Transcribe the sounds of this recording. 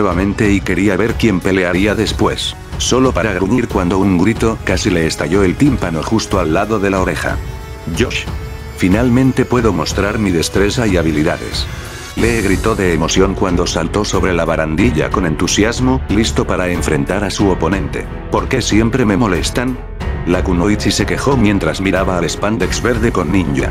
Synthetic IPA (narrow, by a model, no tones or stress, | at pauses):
nweβamẽ̞nt̪e̞ike̞ɾiaβe̞ɾkje̞mpe̞le̞aɾiaðe̞spwe̞sː | o̞lo̞paɾaɣɾuɲiɾkwand̪o̞uŋɡɾit̪o̞kasile̞ːst̪aʝo̞e̞lt̪impano̞xust̪oalːaðo̞ðe̞lao̞ɾe̞xa̰ | ɟ͡ʝoʃ | finalmẽnt̪e̞pwe̞ðo̞mo̞st̪ɾaɾmiðe̞st̪ɾe̞saiaβ̞iliðaðe̞̰s | leɣɾit̪o̞ðe̞ːmo̞sjoŋkwand̪o̞salt̪o̞so̞βɾe̞laβaɾand̪iʎa̰ko̞nẽ̞nt̪usjazmoilist̪o̞paɾae̞ɱfɾe̞nt̪aɾasuopo̞nẽ̞nt̪e̞̰ | po̞ɾke̞sje̞mpɾe̞me̞mo̞le̞st̪an | lakuno̞jt͡sise̞ke̞xo̞mje̞nt̪ɾazmiɾaβaːle̞spand̪ekzβe̞ɾðe̞ko̞nːĩɲɟa̰